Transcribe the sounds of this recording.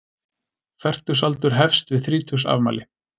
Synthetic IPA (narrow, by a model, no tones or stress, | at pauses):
fɛr̥t̪ʏ̥salt̪ʏɾ̥ɦɛfst̪vɪðθɾiːt̪ʰusa̰vma̰ːlɪ